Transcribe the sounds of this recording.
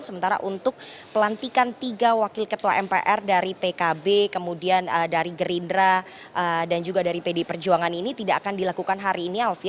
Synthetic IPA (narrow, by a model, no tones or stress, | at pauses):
səmənt̪aɾa̰ʔunt̪ʊk̚pəlant̪ikant̪iɡawakɪlkət̪uaʔɛmpḛʔɛrdaɾipekabekəmudianədaɾiɡəɾindɾa | ʔədand͡ʒuɡadaɾipedepərd͡ʒuaŋaninit̪idaʔːkandilakukanɦaɾiːnialfi